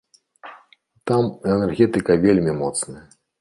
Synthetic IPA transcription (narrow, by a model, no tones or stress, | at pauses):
t̪amɛnɛrɣʲɛt̪ɨkɐvʲelʲmʲimɔt̪snɐjɐ